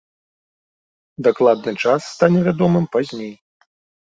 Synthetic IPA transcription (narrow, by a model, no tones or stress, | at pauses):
d̪aklˠad̪̚nɨt͡ʂasːt̪anʲɛvʲad̪ɔmɨmpazʲnʲej